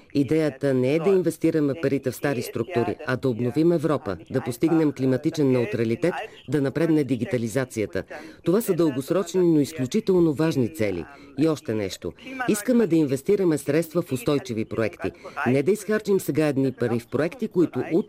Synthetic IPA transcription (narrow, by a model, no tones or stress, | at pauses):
id̪ɛjət̪ənɛɛd̪ɐinvɛst̪iɾəmɛpɐɾit̪ɛfst̪aɾist̪ɾuk̚t̪uɾḭɐd̪ɐobnovimɛvɾɔpə̰d̪ɐpost̪iɡnɛmklimɐt̪it͡ʃɛnːɛʊt̪ɾɐlit̪ɛt̪ | d̪ɐnɐpɾɛd̪nɛd̪iɡit̪ɐlizat̪sijət̪ə̰t̪ovasəd̪əlˠɡosɾɔt͡ʃninoisklʲut͡ʃit̪ɛlˠnovaʒnit̪sɛlḭ | iɔʃt̪ɛnɛ̰ʃt̪o̰iskəmɛd̪ɐinvɛst̪iɾəmɛsɾɛt̪st̪vəfʊst̪ɔjt͡ʃivipɾoɛkt̪ḭnɛd̪ɐisxaɾt͡ʃimsɛɡaɛd̪nipɐɾifpɾoɛkt̪ikoit̪ʊʔu